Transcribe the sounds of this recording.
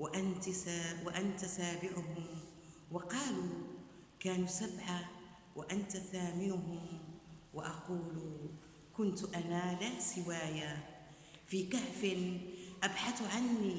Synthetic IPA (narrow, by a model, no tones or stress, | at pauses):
waʔant̪waʔant̪asaːbɪʕʊɦʊm | wɑqɑːluː | kaːnuːsabʕa | wʔaʔant̪aθaːmɪnʊɦʊmwaʔɑquːluː | kʊnt̪ʔanaːlasɪwaːja | fiːkaʕfɪnʔabħaθʕanːiː